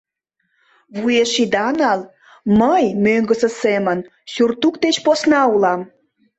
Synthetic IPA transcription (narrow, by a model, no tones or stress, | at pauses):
βueʃid̪ɑnɑl | məjmøŋɡəsə̆semən | surt̪ukt̪et͡ɕposnɑulɑm